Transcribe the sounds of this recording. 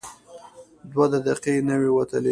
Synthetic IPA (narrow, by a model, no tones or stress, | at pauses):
d̪wad̪ad̪aqenəwewat̪əle